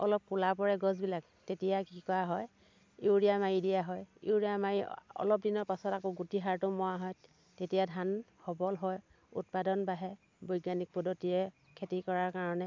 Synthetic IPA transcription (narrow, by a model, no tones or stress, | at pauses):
ɔlɔp̚kulapɔɹɛɡɔzbilak | tetijakikɔaɦɔj | iwɹijamajidijaɦɔjḭwɹijamajiɔ̰lɔp̚dinɔɹpasɔtakoɡutiɦaɹtʊmɔwaɦɔj | tetijadʱanpʰɔbɔlɦɔj | ṵt̚padɔnbaɦɛ | bojɡanik̚pɔdɔtiɛ | kʰetikɔɹaɹkaɹɔnɛ